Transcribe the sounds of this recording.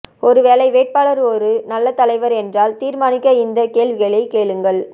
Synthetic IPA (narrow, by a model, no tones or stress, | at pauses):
ɔɾɯʋeːlɐɪʋeːʈ̚paːlɐɾɔɾɯnɐlːɐt̪ɐlɐɪʋɐɾɛndraːlt̪iːɾmaːnɪkːɐɪnd̪ɐkeːɭʋɪɣɐɭɐɪkeːɭɯŋɡɐɭ